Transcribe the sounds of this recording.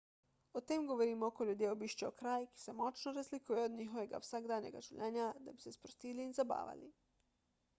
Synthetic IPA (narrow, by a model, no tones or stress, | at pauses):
ot̪eːmɡoʋoɾiːmookoʎʲud̪jeːobiːʃt͡ʃeokɾaːjki̥semot͡ʃnoɾazlikujɛod̪ɲixoʋeɡa̰wsaɡd̪aːnḛɡa̰ʒuwʎʔeːɲad̪abisespɾost̪iːliːnzaba̰ːʋa̰li